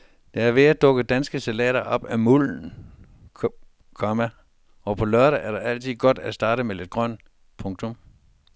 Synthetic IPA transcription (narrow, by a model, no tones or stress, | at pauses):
d̥eæɐʋe̝æd̥ɔ̽ɡ̥əd̥ænsɡ̥əsælɛ̰ːɾɐʔɒ̽b̥æmuln̩ | kʰɒmæ | ɒ̽pʰɒ̽lœɐɾəʔæɐɾ̥ɑʔæl̰t͡sʰið̰ˠɡ̥ɒ̽d̥æsd̥ɑ̈ːɾəmele̝d̥̚ɡ̥ʁɶn̰ | pʰɔ̽ŋt͡sʰɔ̽m